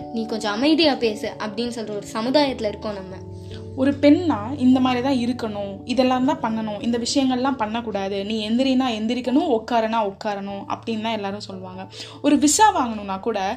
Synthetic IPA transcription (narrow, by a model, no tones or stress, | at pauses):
niːkɔɲd͡ʒɔ̃ɐmɐɪðɪjaːpeːsɯʔɐpːɐɽɪnːɯsɔlɾɐɔɾɯsɐmɯðaːjɐt̪ːɪlɐɪɾɯkːõːnɐmːɐ | ɔɾɯpɛɳnaːɪnd̪ɐmaːd̪ɾit̪ãːɪɾɯkːɐɳʊ̃ | ɪðɛlːaːɾɯnt̪ãːpɐɳːɐɳʊ̃ʔɪnd̪ɐʋɪʂɐjɐŋɡɐɭɛlːãːpɐɳːɐkuːɽaːðɯnĩːɛnd̪ɪɾɪnaːɛnd̪ɪɾɪkːɐɳʊ̃ɔkːaːɾɐnaːɔkːaːɾɐɳʊ̃ɐ̰pːɐɽɪnːt̪ãːɛlːaːɾɯ̃sɔlːʋaːŋɡɐ | ɔɾɯʋɪʂaːʋaːŋɡɐɳʊ̃nãːkuːɽɐ